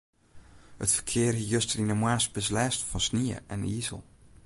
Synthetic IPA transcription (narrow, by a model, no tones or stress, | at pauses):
hətfə̥kʰɪːərɦijøstərinəmwaːsbəslɛːstfɔnsniə̰ʔɛnizə̰lˠ